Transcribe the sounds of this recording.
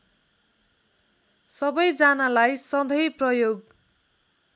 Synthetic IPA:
sʌbʌjd͡zanalajsʌd̪ʱʌjprʌjoɡ

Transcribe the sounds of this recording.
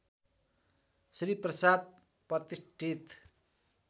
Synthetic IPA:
sriprʌsad̪̚ | prʌt̪isʈʰit̪

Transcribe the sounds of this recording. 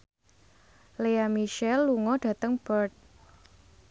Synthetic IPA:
leamiʃɛlːuŋɔɖ̥ä̤t̪əŋb̥ərt̪̚

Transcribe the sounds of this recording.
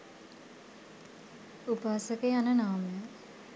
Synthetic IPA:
upaːsəkeanənaːməjə

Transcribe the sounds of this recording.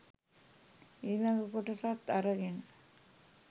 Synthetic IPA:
elaɡəkoʈəsat̪ːaɾəɡenə

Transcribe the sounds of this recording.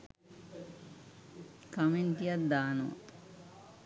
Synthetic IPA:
kament̪ijat̪̚d̪aːno̰

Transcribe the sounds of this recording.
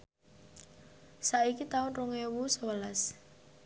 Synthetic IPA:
saʔikit̪aʊnruŋewusəwəlas

